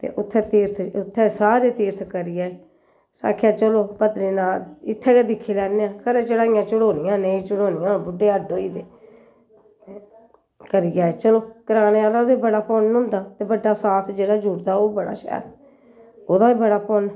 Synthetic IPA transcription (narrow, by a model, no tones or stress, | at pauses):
t̪ḛːʔʊt̪ʰːɛːt̪iːɾt̪ʰʊt̪ʰːɛ̃ːsaːɾeːt̪iːɾt̪ʰkəɾɪjaːeː | sa̰ːkʰːjaːt͡ʃəloːpəd̪ɾeːnaːɪt̪ʰːɛ̃ːkeːd̪ɪkʰːeːlɛːneãːkəɾeːt͡ʃəɽãːɪjãːt͡ʃəɽoːnɪjãːneĩːt͡ʃəɽoːnɪjãːbʊɖːeːəɖoːiːd̪eː | kəɾɪjaːeːt͡ʃəloːkəɾaːneːaːlãd̪eːbəɽaːpɔnɦʊ̃nd̪aːt̪eːbəɖːaːsaːt̪ʰd͡ʒeːɽaːd͡ʒuɾd̪aːoːbəɽa̰ːʃɛ̰ːɾ | oːd̪ãːiːbəɽaːpɔn